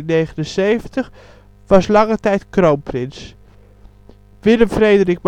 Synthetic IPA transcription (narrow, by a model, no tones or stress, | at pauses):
nejχənənsejvəntəχ | ʋɑslɑŋətɛjtkrowmprɪns | ʋɪləmfrejdərik̚m